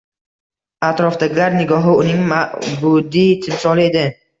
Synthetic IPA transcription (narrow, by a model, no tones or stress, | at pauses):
at̪ɾɒfd̪aɡʲɪlaɾnɪɡɒɦɪʊnɪŋmaʔbʊd̪ijt̪ʰɪmsɒlɪe̞d̪ɪ